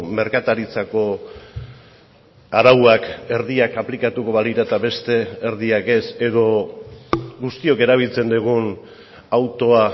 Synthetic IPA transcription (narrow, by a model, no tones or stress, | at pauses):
me̞ɾkat̪aɾit͡sako̞ | aɾawake̞ɾðiakaplikat̪uko̞βaliɾat̪aβe̞st̪e̞ːɾðiake̞se̞ðo̞ | ɡust̪io̞ke̞ɾaβ̞ilt͡se̞nd̪eɣ̞un | awt̪o̞a